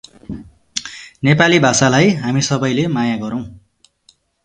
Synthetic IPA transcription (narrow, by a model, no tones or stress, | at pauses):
nepalibʱasalajɦamisʌbʌjlemajaɡʌɾʌw̃